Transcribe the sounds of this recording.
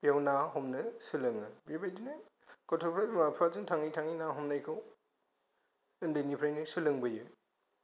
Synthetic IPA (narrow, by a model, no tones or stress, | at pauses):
pijawnaɦɔmnɯsɯlɯŋɯbebajdinɯ | kɔtʰɔpʰɾaimapʰɾazɯŋtʰaŋitʰaŋinaɦɔmnajkʰɯw | ɯndɯjnipʰɾajnɯsɯlɯŋbɯjɯ